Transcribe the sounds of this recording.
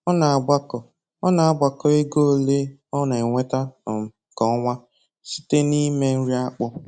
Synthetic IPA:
ɔ˦na˨a˨ɡ͡ba˦kɔ˨ | ɔ˦na˨a˨ɡ͡bʷa˨kɔ˦e˦ɡo˦˨le˦ɔ˦na˨e˨ŋʷe˦ta˦˨m̩˨ | kɔ˨˦ŋʷa˦ | si̥˦te˦ni˦me˦n̩˦ɾi˦a˦k͡pʊ˦

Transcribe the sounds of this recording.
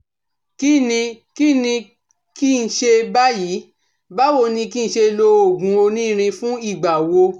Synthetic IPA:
ki˦nĩ˧ki˦nĩ˧ | ki˦˧n̩˦˧˦ʃe˧ba˦ji˨˦ | ba˦wo˦˨nĩ˧ki˦n̩˧˦ʃe˧lo˧o˨ɡũ˨˦o˧nĩ˦˧ɾ̃ĩ˧fũ˦i˦˨ɡ͡ba˨wo˧

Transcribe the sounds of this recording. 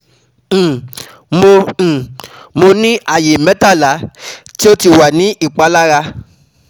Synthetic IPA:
mõ˧˨ | mo˧nĩ˦ʔa˦˨je˨mɛ̃˨˦ta˦˨la˨˦ti˦o˦ti˨wa˨nĩ˨˦ʔi˦˨k͡pa˨˦la˦ɾa˧

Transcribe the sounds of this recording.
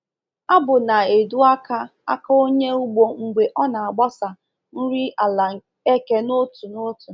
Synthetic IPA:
a˦bʊ˨na˨e˨du˦a˦ka˦a̰˦ka˦o˦ɲe˦u˦ɡ͡bo˦ŋ͡m̩˨ɡ͡be˨ʔɔ˦na˨a˨ɡ͡ba˦sa˨ | n̩˦ɾi˦a˨la˨ | e˦ke˦no˦tu˨no˦tu˨

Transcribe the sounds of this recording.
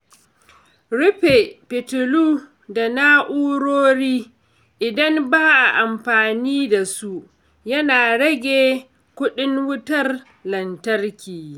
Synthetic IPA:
ɾʊ˦ɸe˨pɪ˨tʊ˨luː˦ | da˨na˦ʔuː˦ɽoː˦ɽiː˦ | ʔɪ˨dɐ˦mbaː˦ʔa˨ʔa˨mɸaː˨niː˦da˨su˦ | jɐ˦naː˨ɽɐ˦ɡʲeː˨ | kʷʊ˦ɗɪ˦ŋwʊ˦tɐ˦r | lɐ˨ntɐ˦rkʲiː˨

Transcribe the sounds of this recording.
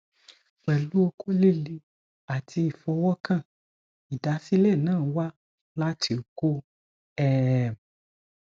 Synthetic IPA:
k͡pɛ˨lu˨˦o˧ko˦le˦˨li˧ | a˨tʰi˧i˨fɔ˧wɔ˦kã˦˨ | i˨da˨˦si˦lɛ˦˨nãː˦˨˦wa˦ | la˦tʰi˧o˨ko˦ | ɛ˦˨

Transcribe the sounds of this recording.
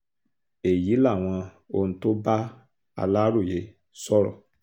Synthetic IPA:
e˨ji˨˦la˦˨w̃ã˧ | o˧n̩˦to˦ba˦ | a̰˧la˦ɾo˦˨je˨˦ | sɔ˦ɾɔ̰˨

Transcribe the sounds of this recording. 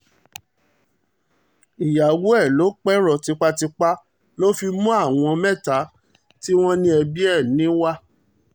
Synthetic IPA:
i˨ja˨wu˦ɛ˦˨lo˨˦k͡pɛ˦ɾɔ˨ti˧k͡pa˧ti˧k͡pa˦ | lo˦fi˧mũ˦a˦˨w̃ɔ̃˧mɛ̃˦˨ta˨˦ | ti˦w̃ɔ̃˦nĩ˦ɛ˧bi˦ɛ˦˨nĩ˨˦wa˦

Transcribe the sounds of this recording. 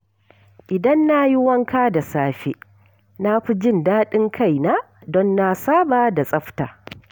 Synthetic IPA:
ʔɪ˨dɐ˦nːa˦ji˦wɐ˦ŋkaː˦da˨saː˦ɸḛː˦ | na˦ɸi˦d͡ʒɪ˦ndaː˦ɗɪ˦ŋkʰa˦˨jna˦ | dɔ˦nːa˦saː˦baː˦da˨sʼɐ˦ɸta̰ː˨

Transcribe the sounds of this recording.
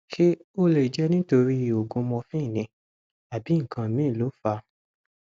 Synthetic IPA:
ʃe˦o˦le˨d͡ʒɛ˦nĩ˦to˧ɾi˦˨o˨ɡõ˧mɔ̃˧fĩ˦˨nĩ˧ | a˨bi˨˦ŋ̩˨kʰã˧˨mĩ˦˨lo˨˦fa˧

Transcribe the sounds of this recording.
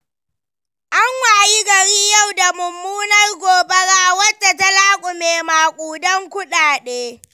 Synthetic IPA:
ʔa˦ŋwaː˨ji˦ɡɐ˨ɾiː˦ja˦˨wda˨mʊ˨mːuː˦nɐ˦rɡʷoː˨bɐ˦ɽaː˦wɐ˦da˨ta˦laː˦kʷʼʊ˨meː˨maː˨kʷʼuː˨dɐ˦ŋkʷʊ˦ɗaː˨ɗeː˦

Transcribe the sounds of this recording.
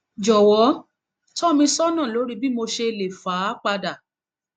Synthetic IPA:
d͡ʒɔ˨wɔ˨˦ | tɔ˦mĩ˧sɔ˦nã˦˨lo˨˦ɾi˦bi˦mo˧ʃe˧le˨faː˨˦k͡pa˧da˨

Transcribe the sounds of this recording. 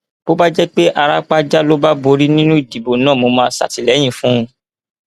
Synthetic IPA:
b̥o˦ba˦d͡ʒɛ˦k͡pe˦ʔa˧ɾa˦k͡pa˦d͡ʒa˦lo˦ba˦bo˧ɾi˦nĩ˦nũ˦i˦˨di˨bo˨nãː˦˨mo˧mãː˧˦sa̰˨ti˨lɛ˨˦j̃ĩ˦˨fũ˦˧˦

